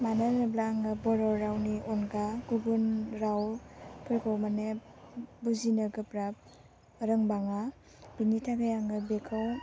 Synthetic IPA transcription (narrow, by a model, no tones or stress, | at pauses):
mananɯblaŋɯbɔɾɔɾawniʔɔnɡaɡuɡunɾawpʰɯɾkʰɔwmane | buzinɯɡɯpɾap̚ | ɔɾɯŋbaŋa | b̥initʰaɡajaŋɡɯbekʰaw